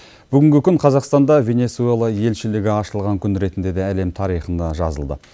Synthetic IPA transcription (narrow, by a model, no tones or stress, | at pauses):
b̥ʏɡʲɪŋɡʲɪkʲʰʏɴqʰɑzɑqst̪ɑnd̪ɑvʲe̞ne̞sue̞lˠɑje̞lʃɪlɪɡʲɪɑʃəlˠʁɑŋkʲʰʏnɾe̞t̪ɪnd̪e̞d̪eæle̞mt̪ʰɑɾijχənd̪ɑʒɑ̰zəlˠd̪ə̰